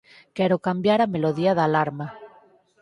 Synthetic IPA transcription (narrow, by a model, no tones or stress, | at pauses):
keɾokambjaɾameloðiaðalaɾma